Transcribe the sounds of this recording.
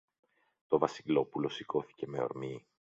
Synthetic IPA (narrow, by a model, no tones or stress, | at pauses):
t̪o̞vɐsilo̞pulo̞siko̞θi̥ce̞me̞o̞̰ɾmi